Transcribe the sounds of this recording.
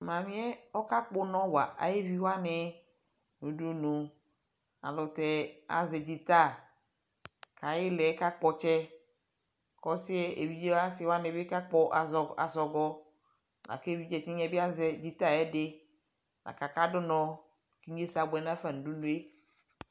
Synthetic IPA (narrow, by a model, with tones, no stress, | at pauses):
mã˨mĩ˦ɛ˦ɔ˦ka˦k͡po˦nɔ̃˦wa˨ʔa̰˨je˦vi˦wa˦nɪ˨ | nũ˨du˦nũ˨ | a̰˨lʊ˨t̪ɛ˨a̰˨zɛ˨d͡ʒi˨t̪a˦˨ | ka˨jɪ˦lɛ˨˦ka˦k͡pɔ˨t͡ʃɛ˦ | kɔ˦sɪ˦ɛ˦ʔe˨vi˦d͡ʒe˦wa˦sɪ˨wa˦nɪ̃˨be˦ka˦k͡pɔ˦ʔa˨zɔ˨a˨zɔ˨ɡɔ˦ | la̰˨ke˦˨vi˦d͡ʒɛ˨t̪i˦ɲɛ̃˦be˦a˦zɛ˨d͡ʒi˦t̪a˦˨ɛ˦dɪ˦ | la̰˨ka˨ka˦dʊ˦nɔ̃˦ | ki˦ɲ˦e˦sa˨bɛ˨nã˦fɛ˦nũ˨du˦nũ˦e˦